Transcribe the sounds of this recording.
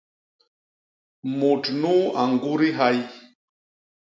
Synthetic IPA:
mu˨ʈ͡ʂnu˦a˨ŋɡuɾi˦ɦa˦j

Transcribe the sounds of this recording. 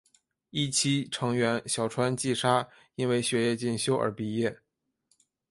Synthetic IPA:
i˥˩t͡ɕʰi˥ʈ͡ʂʰɤ˧˥ŋɥɛ˧˥nɕjɑ˨˩ʊʈ͡ʂʰwa˥nt͡ɕi˥˩ʂa˥ | i˥nwe˥˧ɪɕɥɛ˧˥jɛ˥˧t͡ɕi˥˩nɕjo˥ʊʔə̰˞˧˥pi˧˥jɛ˥˩

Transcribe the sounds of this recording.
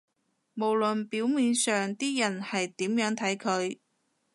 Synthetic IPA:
mo˨˩wlɵ˨npiː˨˥wmiː˨˧nsœː˨ŋt̪iː˥jɐ˨˩nhɐ˨jt̪iː˨˥mjœː˨˥ŋt̪ʰɐ˨˥jkʰɵ˨˧ɥ

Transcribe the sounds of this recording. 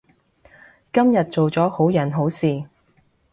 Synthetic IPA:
kɐ˥mjɐ˨t̚t͡so˨wt͡sɔː˨˥ho˨˥wjɐ˨˩nɦo˨˥wsiː˨˩

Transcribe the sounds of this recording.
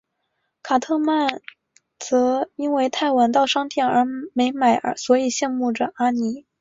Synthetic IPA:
kʰa˨˩t̪ʰɤ˥˧ma˥˩n | t͡sɤ˧˥i˥nwe˥˧ɪt̪ʰa˥˩ɪwa˧˥nt̪ɑ˥˩ʊʂɑ˥ŋt̪ʰjɛ˥˩nə˞˧˥me˧˥ɪma˨˩ɪʔə̰˧˥swɔ˧˥i˨˩ɕjɛ˥˧nmu˥˩ʈ͡ʂə˨˩a˥ni˧˥

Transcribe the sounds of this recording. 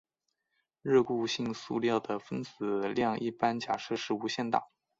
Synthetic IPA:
ɻɤ˥˧ku˥˧ɕi˥˧ŋsu˥˧ljɑ˥˩ʊd̪ə˩fə˥nt͡sɹ̩˨˩ljɑ˥˧ŋi˥˩pa˥nt͡ɕja˨˩ʂɤ˥˧ʂɻ̩˥˧u˧˥ɕjɛ˥˧nt̪ɑ̰˨˩˦

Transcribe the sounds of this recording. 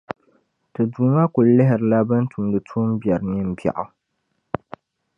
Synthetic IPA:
tɨ˨duː˨ma˦kʊ˨llɪ˦ɦɪ˨ɾɨ˨la˦bɨ˦n˦tʰu˨m˦dɨ˨tʰu˦m˦bjɛ˨ɾɨ˨nɨ˦m̩˦ba̰˨ʔʊ˨

